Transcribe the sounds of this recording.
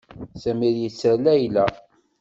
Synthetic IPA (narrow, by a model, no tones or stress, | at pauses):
sæmiðjət͡sːəlæjlæ